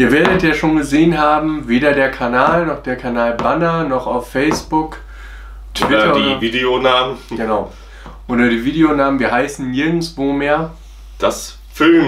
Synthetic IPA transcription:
ʔiːɐveːɐdɾətjaːʃoːnɡəzeːənɦaːbm̩veːdɐdeːɐkʰanaːlnɔχd̥eːɐkʰanaːlbanɐnɔχaʊfːɛɪsb̥ʊk | tv̥ɪtɐiːviːdeonaːmənɡ̥ənaʊ | ʔoːdɐdiːviːdeonaːmənviːɐɦaɪsn̩nɪɐɡŋ̩tv̥oːmeːɐ | d̥as | fɪ

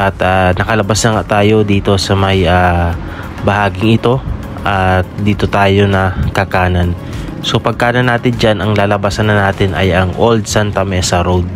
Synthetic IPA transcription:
ʔɐt̪aːnɐkɐlɐbasnɐŋaʔt̪aːjo̞d̪iːt̪o̞sɐmɐjaː | bɐhaːɡɪŋʔɪt̪o̞ | ʔɐt̪̚d̪iːt̪o̞t̪aːjo̞nɐkɐkaːnɐn | so̞pɐɡ̚kaːnɐnːaːt̪ɪnd͡ʒanʔɐŋlaːlɐbasɐnɐnaːt̪ɪnʔɐ̰jɐŋʔold̪̚sant̪ɐmɛːsɐɾowd̪̚

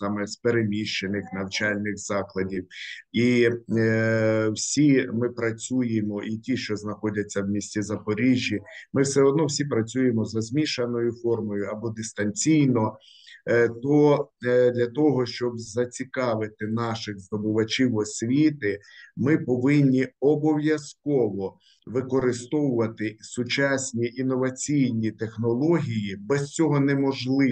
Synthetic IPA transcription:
sɑmɛspeɾemʲiʃt͡ʃenɪxnɐwt͡ʃɑlʲnɪɣz̥ɑklˠɐdʲiwi | wsʲimɪpɾɐt͡sʲujemɔʔitʲiʃt͡ʃɔznɐxɔdʲɐt͡sʲːɐwmʲisʲtʲizɐpɔɾʲiʒʲːimɪwsɛɔd̪nɔwsʲipɾɐt͡sʲujemɔzɐzʲmʲiʃɐnɔjʊfɔrmɔjʊɐbɔd̪ɪst̪ɐnʲt͡sʲijnɔ | t̪ɔd̪lʲɐt̪ɔɦɔʃt͡ʃɔbzɐt͡sʲikɑʋɪt̪ɪnɑʃɪɣzd̪ɔbʊʋɐt͡ʃʲiwɔsʲʋʲit̪ɪmɪpɔʋɪnʲːiɔbɔwjɐskɔʋɔ | ʋɪkɔɾɪst̪ɔwʊʋɐt̪ɪsʊt͡ʃɑsʲnʲiʔinɔʋɐt͡sʲijnʲit̪exnɔlˠɔɦʲijibɛst͡sʲɔɦɔnɛmɔʒlˠɪ

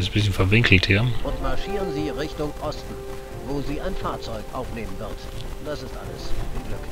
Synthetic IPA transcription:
sbɪsçənfɛɐvɪŋkl̩thiːɐʔʊntmaɐʃiːʁənziːʁɪçtʊŋʔɔstn̩ | voːziːaɪnfaɐt͡sɔʏkʔaʊfneːmənvɪɐt | d̥asɪstʔa̰lə̰sɪɡlʏk

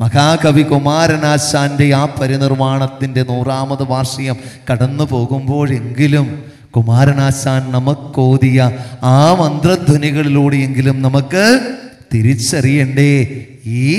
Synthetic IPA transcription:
mɐɣaːkɐʋikumaːɾɐnaːsaːnde̞aːpːɐɾɐnirmaːɳɐt̪ːinde̞nuːraːmɐðɨʋaːrʂɐjɐmkɐɽɐnːɨpo̞ːɣumbo̞ːɭe̞ŋɡilum | kumaːɾɐnaːsaːnnɐmɐkːoːðijɐaːmɐnd̪rɐd̪ʱuniɣɐɭiluːɽeje̞ŋɡilumnɐmɐkːɨt̪iɾit͡ɕːɐrijɐɳɖe | iː

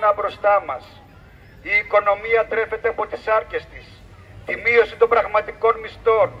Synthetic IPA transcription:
nɐbɾo̞st̪ɐmɐs | iːko̞no̞miɐt̪ɾe̞fe̞t̪eɐpo̞t̪isɐɾce̞st̪is | t̪imio̞sit̪o̞mbɾɐɣmɐt̪iko̞nmist̪o̞n

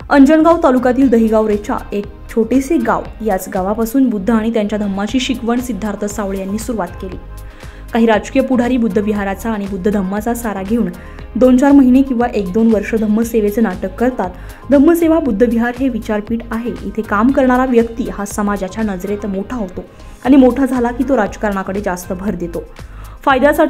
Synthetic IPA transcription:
əɲd͡ʑəɳɡawt̪alukat̪iːld̪əɦiːɡaʋɾet͡ɕa̰ek̚t͡ɕʰoʈeseɡa̰ʋjat͡sɡaʋapasuːnbud̪ʱːəaɽ̃it̪jaɲt͡ɕjad̪ʱəmːaɕiːɕikʋəɳsid̪ʱːaɾt̪ʰəsaʋɭjanːiːsuɾuʋat̪kelḭː | kaɦiːɾad͡ʑkijəpuɽ̤ʱaɾiːbud̪ʱːəbiɦaɾat͡saːɽ̃ibud̪ʱːəd̪ʱəmːat͡sasaɾaɡʱeuːn | d̪ont͡ɕaɾməɦinekĩʋaʔek̚d̪onʋəɾʂəd̪ʱəmːəseʋet͡senaʈəkːəɾt̪at̪ | d̪ʱəmːəseʋabud̪ʱːəʋiɦaɾɦeʋit͡ɕaɾpiːʈaɦeʔḭt̪ʰekamkəɾɳaɾaʋjəkt̪iːhasəmad͡ʑat͡ɕjanəd͡zɾet̪moʈʰaɦot̪o | aɽ̃imoʈʰad͡zʱalakiːt̪oɾad͡ʑkaɾɳakəɽed͡zast̪əbʱəɾd̪et̪ofajd̪asaʈʰ

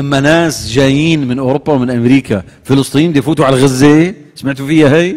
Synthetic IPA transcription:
ʔamːanaːsd͡ʒaːjiːnmɪnʔʊɾʊbːawmɪnʔamɾiːkʰa | fɪlɨsˤt̪ˤijːiːmbɪd̪ijfuːt̪uʕalaɣazːe | samaʕt̪ufɪjːahaj

